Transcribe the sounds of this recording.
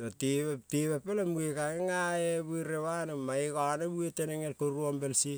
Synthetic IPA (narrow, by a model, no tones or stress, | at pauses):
oteteβepelamuekaŋeŋaebueɾewanomaikanebueteneŋelkoɾuombelsi